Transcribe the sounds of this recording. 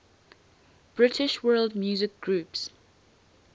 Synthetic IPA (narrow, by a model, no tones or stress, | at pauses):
b̥ɹɪtʰɪʃwɜːldmjuːzɪk̚ɡ̥ɹuːps